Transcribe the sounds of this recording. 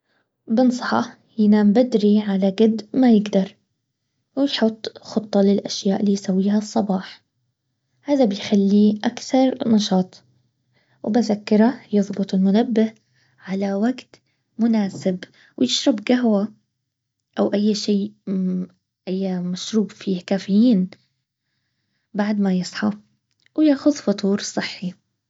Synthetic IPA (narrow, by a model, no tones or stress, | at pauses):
bɪnsˤɑ̥ħɑ | hɪnambad̪ɾiʕalaɡad̪majɪɡd̪ɑɾˤ | wɪjħʊt̪ˤːxʊt̪ˤːɑlɪlʔaʃjaːʔlijsawːiːɦasˤːɑbɑːħ | haːðabɪjxalːiʔakθɑɾˤnɑʃɑːt̪ˤ | wbɪzakːɪɾˤajɨðˤbʊt̪ˤɪlmʊnabːɪh | ʕalawaɡt̪ | mʊnaːsɪb | wjɪʃɾˤɑbɡaɦwa | ʔawʔajːʃiː | ʔajːamaʃɾuːbfiːhkaːfɪjiːn | baʕd̪majɨsˤħɑ | wjaːxʊðfʊt̪ˤuːɾsˤːɨħːi